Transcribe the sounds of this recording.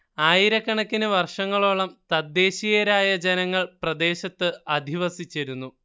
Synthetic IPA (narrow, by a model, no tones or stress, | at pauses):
aːjiɾɐkːɐɳɐkːinɨʋɐrʂɐŋːɐɭoːɭɐmt̪ɐd̪ːe̞ːɕijɐɾaːjɐd͡ʑenɐŋːɐɭprɐd̪e̞ːɕɐt̪ːɨɐd̪ʱiʋɐsit͡ɕːɐɾunːu